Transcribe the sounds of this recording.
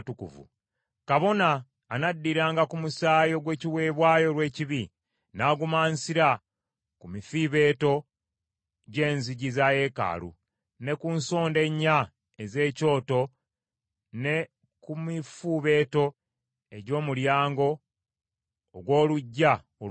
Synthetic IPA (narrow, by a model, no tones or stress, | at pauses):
tukṵvṵ | kaβo̞naː | nadːiɾaːŋɡakumusaːjo̞ɡwe̞ːciwe̞ːβwaːjo̞ɾwe̞ːciβi | naːɡumaːnsiɾa | kumifiβe̞ːto̞ | ɟe̞ːnziɟizaje̞ːka̰ːlṵ | ne̞kunso̞ːnde̞ɲːa | eze̞ːco̞ːto̞ | ne̞ | kumifuβe̞ːto̞ | e̞ɟo̞ːmuljaːŋɡo̞ | ɡwo̞ːluɟːa | o